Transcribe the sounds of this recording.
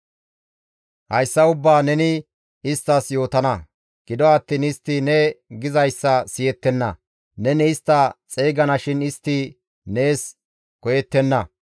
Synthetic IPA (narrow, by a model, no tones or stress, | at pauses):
hɐjsːɐʊbːaːnɛnɪ | ɪst̪ːɐsjo̞ːt̪ɐnɐ | ɡ̥ɪd̪ɔɐt̪ːiːnɪst̪ːinɛɡɪzɐjsːɐsɪjɛt̪ːɛnːɐ | nɛnɛɪst̪ːɐt͡sʼeːɡɐnɐʃɪnɪst̪ːi | ne̞ːs | kɔjɛt̪ːɛnːɐ